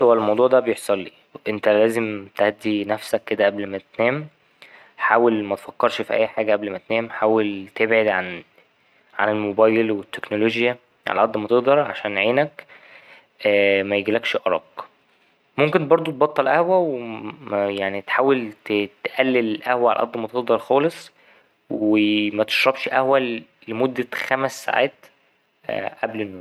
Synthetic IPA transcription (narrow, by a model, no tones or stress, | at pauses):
owælmɑwd̪ˤuːʕd̪æbejeħsˤɑlːiː | ʔent̪ælæːzemt̪æhæd̪ːinæfsækːed̪æʔæblmæt̪næːm | ħaːwelmæt̪e̥fɑkːɑɾˤʃfiʔæ̰jːħaːɡæʔæblmæt̪næːmħaːwelt̪ebʕed̪ʕan | ʕa̰nelmobɑːjelwet̪ːeknoloʒjæ | ʕa̰læ̰ʕæd̪ːmæt̪eʔd̪ɑɾˤʕa̰ʃæːnʕeːnæk | mæjeɡilækʃʔɑɾˤɑ̰ːq | momkent̪bɑɾˤd̪ˤot̪̚bɑt̪ˤːɑlʔæhwæwe | jaʕnit̪ħaːwelt̪t̪ʔælːellʔæhwæʕa̰l̰ʔɑd̪ˤːmæt̪eʔd̪ɑɾˤxɑːlesˤ | wemæt̪e̥ʃɾˤɑbʃʔæhwæ | lemod̪ːæxæmæsːa̰ʕa̰ːt̪ | ʔæblenːoːn